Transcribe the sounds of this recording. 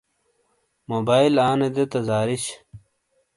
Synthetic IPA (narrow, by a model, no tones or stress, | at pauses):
moːbaːilaːned̪et̪ɐzaːɾiɕ